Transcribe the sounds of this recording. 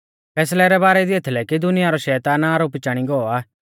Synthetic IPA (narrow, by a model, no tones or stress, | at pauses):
pʰɛːs̬lɛɾɛbaːɾɛd̪iet̪ʰlɛkid̪ʊnɪjaɾɔʃɛːt̪anaːɾoːpit͡ʃaːɽ̃iɡɔɔaː